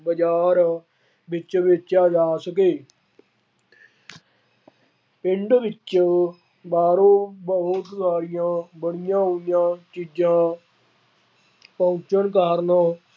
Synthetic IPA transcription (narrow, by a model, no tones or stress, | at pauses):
bəd͡ʒaːɾ | bɪt͡ʃʋɪt͡ʃaːd͡ʒaːsəkeː | pɪɳɖʋɪt͡ʃ | baːɾõːbəɦʊt̪saːɾɪjãːbəɽɪjãːɦoːnjãːt͡ʃiːd͡ʒãː | pə̃ːt͡ʃənkaːɾnaː